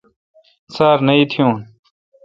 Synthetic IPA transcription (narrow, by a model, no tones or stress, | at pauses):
saːɾnɐiːt̪ʰijũːn